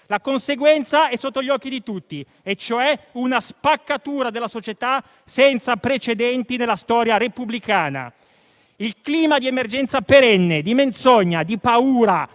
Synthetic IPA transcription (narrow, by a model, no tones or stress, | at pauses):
lakonseɡwɛnt̪saɛsːot̪ːoʎɔkːid̪it̪ut̪ːi | et͡ʃːoɛunaspakːat̪uːɾad̪elːasot͡ʃet̪a | sɛnt̪sapɾet͡ʃed̪ɛnt̪inelːast̪ɔːɾjaɾepublikaːna̰ | ilkliːmad̪iemerd͡ʒɛnt̪sapeɾɛnːed̪iment̪sɔɲːad̪ipauːɾa